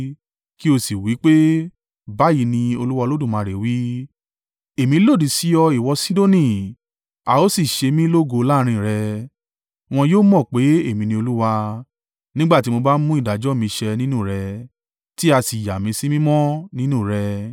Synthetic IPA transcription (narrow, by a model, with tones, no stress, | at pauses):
ki˦o˧si˨wi˨˦k͡pe˦ | ba˦ji˨˧˦nĩ˧o˧lu˦wa˧lo˦dũ˦˨mãː˨˧˨ɾe˨wi˦ | e˨mĩ˧˦lo˦˨di˨si˨˦ɔ˧i˨wɔ˧si˦do˦˨nĩ˨ | a˨˧o˦si˦˨ʃe˧mĩ˦lo˦ɡo˧la˦˧ɾ̃ĩ˧˨ɾɛ˧ | w̃ɔ̃˧joː˦mɔ̃˦˨k͡pe˨˦e˦˨mĩ˧nĩ˧o˧lu˦wa˧ | nĩ˦ɡ͡ba˦ti˨˦mo˧ba˦n̩˦mũ˦i˦˨da˨d͡ʒɔ˨˦˨mĩ˧ʃɛ˧nĩ˦nũ˦˨ɾɛ˧ | ti˦a˧si˨ja˨mĩ˧sĩ˦mĩ˦mɔ̃˦nĩ˦nũ˦˨ɾɛ˧